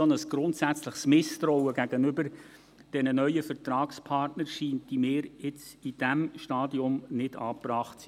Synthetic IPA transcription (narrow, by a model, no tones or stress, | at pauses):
ɔnəsɡ̥ɾʊntsæt͡sləχsmɪst̪ɾɔwəɡæɡ̥ənʏbəɾ | d̥ɛnənœʏəfɛɾtrɾɑːkspʰɑrtnəɾʃiːntimɪːɾɪt͡sid̥æmʃtɑːdiʊmnɪd̥ɑ̰ːprɑːχtsi